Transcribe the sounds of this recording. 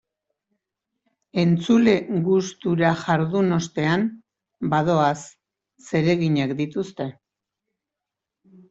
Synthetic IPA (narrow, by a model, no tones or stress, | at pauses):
e̞nt͡sule̞ɣust̪uɾaʝaɾðuno̞st̪e̞am | baðo̞asː | e̞ɾe̞ɣiɲakd̪it̪ust̪e̞